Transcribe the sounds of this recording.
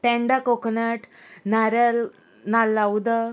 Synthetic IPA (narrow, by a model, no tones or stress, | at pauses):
ʈ̪ɛ̃ɳɖakoknaʈ | naɾəl | nalːawd̪ə